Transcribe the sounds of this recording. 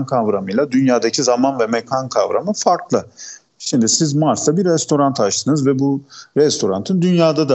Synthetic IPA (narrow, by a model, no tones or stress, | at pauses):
nkʰavɾamɯjlˠad̪ynjaːd̪acʰizamanvɛmɛkʰankʰavɾa̰mɯfaɾklˠɯ | ʃimd̪isizmaɾslabiɾːɛst̪ʰo̞ɾant̪ʰat͡ʃt̪ʰɯnɯzvɛbuɾɛst̪ʰo̞ɾa̰nt̪ʰɯnd̪ynjaːd̪ad̪a